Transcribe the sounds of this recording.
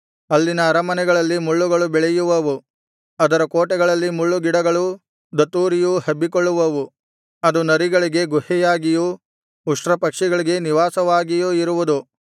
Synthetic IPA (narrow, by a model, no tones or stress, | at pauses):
ɐlːinɐːɾɐmɐnɛɡɐɭɐlːimuɭːuɡɐɭubɛɭɛjuʋɐʋu | ɐd̪ɐɾɐkoːʈɛɡɐɭɐlːimuɭːuɡiɽɐɡɐɭu | d̪ɐt̪ːuːɾijuhɐbːikoɭːuʋɐʋu | ɐd̪unɐɾiɡɐɭiɡe̞ɡuhɛjaːɡiju | uʂʈɾɐpɐkʂɛɡɐɭiɡeniʋaːsɐʋaːɡijuiɾuʋud̪u